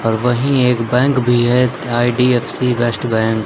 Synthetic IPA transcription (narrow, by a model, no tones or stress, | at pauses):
ɔːɾʋɐɦĩeːkbɛ̃ːŋkbʱiɦɛ | aːiɖiːeːfsibesʈbɛ̃ːŋk